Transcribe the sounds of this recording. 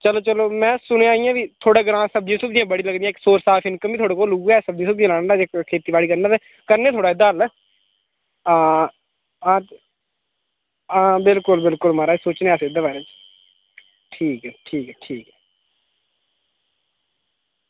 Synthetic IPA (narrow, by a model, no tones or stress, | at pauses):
t͡ʃəloːt͡ʃəloːmɛ̃ːsʊɽ̃ẽːaːijãːʋiːt̪ʰoːɽaːɡəɾãːsəb̚d̪jiːsʊpd͡ʒijãːbəɽiːləɡd̪ijãːksoːɾsaːfʰɪnkəmbiːt̪ʰoːɽeːkoːluɡɛːsəbd̪iːsəp̚d͡ʒiãːlaːɽaːeːkkʰeːt̪iːbaːɽiːkəɾnaːt̪eː | kəɾnẽːt̪ʰoːɽaːɪd̪ːaːlː | aː | ãː | ãːbɪlkʊlbɪlkʊlmaːɾaːsoːt͡ʃnẽaːseɪd̪eːbaːɾeːt͡ʃ | ʈʰiːkɛːʈʰiːkɛːʈʰiːkɛː